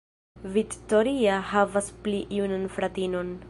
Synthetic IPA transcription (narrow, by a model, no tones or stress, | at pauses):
vikto̞ɾiahavaspliʔiunanfɾatino̞n